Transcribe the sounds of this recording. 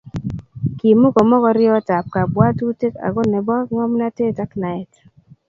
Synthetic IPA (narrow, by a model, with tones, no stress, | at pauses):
ki˨mʊ˦ɡɔ˨mɔ˦kɔ˦ɾɪ˦ɔ˦ta˨p̚ka˨bwa˦tu˦te˦ka̰˨ɡɔ˦nɛ˨bɔ˦kŋɔ˦mna˦te˦ta˦kna˨ɛ˨t